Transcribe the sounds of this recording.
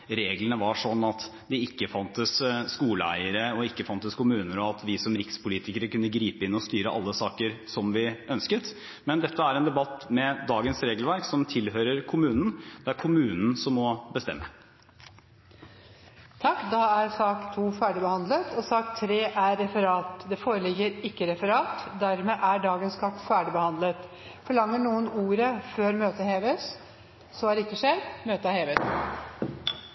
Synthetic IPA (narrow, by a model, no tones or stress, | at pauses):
ɾeːɡlənəʋɑʂɔnːɑt̪ | d̪ɪɪkːəfɑnt̪əsskuːləæ̰ɪəɾəɔɪkːəfɑnt̪əskʰʊmʉːnəɾɔɑt̪ʰʋɪsɔmɾɪkspʰʊliːt̪ɪkəɾəkʉnːəɡɾiːpəɪnːɔst̪yːɾəʔɑ̰lːəsɑːkəɾsɔmʋɪœnskət̪ | mɛnd̪ɛt̪ʰːəæɾɛːnd̪ɛbɑt̪ːmɛd̪ɑːɡənsɾeːɡəlʋæɾksɔmt̪ʰɪlɦøːɾəɾkʰʊmʉːnn̩d̪̥ɛæɾkʰʊmʉːnn̩sɔmɔbəst̪ɛ̰mːə | t̪ʰɑkːd̪ɑæɾsɑːkt̪ʰuːfæːɖɪbəhɑnd̪lət̪ʰɔsɑːkt̪ʰɾeːʔæɾːɛfəɾɑːt̪d̪ɛfoːɾəlɪɡːəɾɪkːəɾɛfəɾɑːt̪d̪æɾmeːʔæɖɑːɡənskʰɑt̪fæːɖɪbəhɑnd̪lət̪ | fɔɭɑŋːəɳuːənuːɾəføːɾmøːt̪əheːʋəs | sɔhɑɖɛɪkːəʂeɾmøːt̪əɑheːʋəs